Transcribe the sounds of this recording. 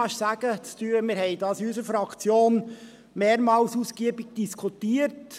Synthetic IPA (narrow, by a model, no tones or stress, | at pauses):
ɑʃsæɡ̥ət͡styːəmɪɾhɛɪdɑːsysəfɾɑkt͡sjoːn | meːɾmɑːlsuskiəbɪɡ̥̚d̥iskʰutiəɾt